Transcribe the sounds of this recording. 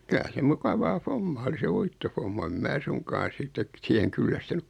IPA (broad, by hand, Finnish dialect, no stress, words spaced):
kylæ se mukɑʋɑː fomːɑː oli se uitːofomːɑ em mæː suŋkɑːn̞ sitːet siheŋ kylːæstynyk